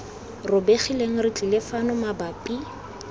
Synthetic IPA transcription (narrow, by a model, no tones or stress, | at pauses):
rʊbeχileŋ̩rɪt͡ɬʼilɪfanɔmabapʼi